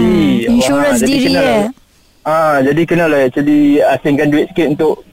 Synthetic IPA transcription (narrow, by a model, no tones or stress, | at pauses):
i | d͡ʒadikəna | ad͡ʒadikənalaʔt͡ʃuliasɪŋkanduɛt̪̚sə̥kɪt̪unt̪ʊʔ